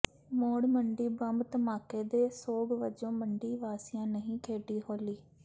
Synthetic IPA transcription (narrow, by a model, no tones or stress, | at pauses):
moːɽmə̃ɳɖiːbəmt̪maːkeːd̪eːsoːɡʋəd͡ʒõːmə̃ɳɖiːʋaːsɪjãːnɐɦĩːkʰeːɖiːɦoːliː